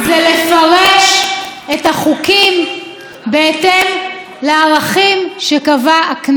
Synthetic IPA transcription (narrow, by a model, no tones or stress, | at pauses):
zele̞faʁeʃethaχukim | beetem | leaʁaχimʃekavaːkn